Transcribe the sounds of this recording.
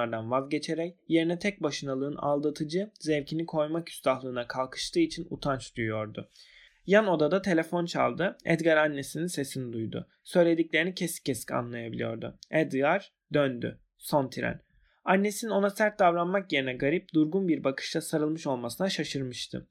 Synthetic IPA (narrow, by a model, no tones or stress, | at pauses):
aɾd̪anvazɟe̞t͡ʃʰe̞ɾɛcje̞ɾinɛt̪ʰɛc̚baʃɯnalˠɯːɯna̰lˠd̪at̪ʰɯd͡ʒɯzɛvcʰinikʰo̞jmakʰy̥st̪ʰahlˠɯːnakʰalˠkʰɯ̥ʃt̪ʰɯːit͡ʃʰinṵt̪ʰant͡ʃd̪ujujo̞ɾd̪ʊ | jano̞d̪ad̪at̪ʰe̞lʲe̞fo̞nt͡ʃʰa̰lˠd̪ɯɛ̰d̪ɡaɾanːe̞sininse̞sinid̪ujd̪ʊ̰ | sø̞jlʲe̞d̪iclʲe̞ɾinicʰescʰːesi̥cʰa̰nlˠajabilʲḭjo̞̰ɾd̪ṵɛd̪ɡaɾ | d̪ønd̪y̰ | so̞nt̪ʰiɾæ̰n | anːe̞sinino̞nasæɾt̪̚d̪avɾanmakjeɾinɛɡaɾip̚d̪uɾɡunbiɾbakʰɯ̥ʃt̪ʰasaɾɯlˠmɯʃo̞lˠmasɯnaʃaʃɯɾmɯʃt̪ʰɯ̰